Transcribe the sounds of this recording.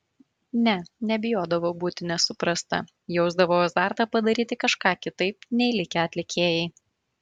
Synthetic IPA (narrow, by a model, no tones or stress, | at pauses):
nʲɛnʲɛbʲɪjoːd̪ɐʋoːbuːt̪ʲɪnʲɛsʊpɾɐst̪ɐ̰ | jɛʊzd̪ɐʋoːɐzd̪ɑːˑɾt̪ɑpɐd̪ɐɾʲiːt̪ʲɪkɐʃkɑːkʲɪt̪ɐɪpnʲɛɪlʲɪkʲɛɐt̪ʲlʲɪkʲʰeːjɛɪ